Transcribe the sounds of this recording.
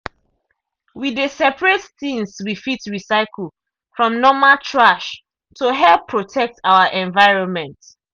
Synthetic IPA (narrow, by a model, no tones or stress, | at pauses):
widesɛpɹetθĩŋswifitɹisaɪkʰl̩ | fɹɔ̃mnɔmaltʰɹaʃ | toɦɛlˠpʰːɹotʰɛk̚tʰawəʔɛ̃nvaɪɹɔ̃nmɛ̃nt